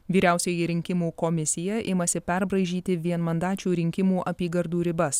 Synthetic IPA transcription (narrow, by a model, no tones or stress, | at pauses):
ʋʲiːɾʲæˑʊsʲɛjɪɾʲɪŋʲkʲɪmuːkɔmʲɪsʲɪjɛʔɪmɐsʲɪpʲɛɾbɾɐɪʒʲiːt̪ʲɪʋʲiɛnmɐnd̪ɑːt͡ʃʲuːɾʲɪŋʲkʲɪmuːʔɐpʲiːɡɐɾd̪uːɾʲɪbɐs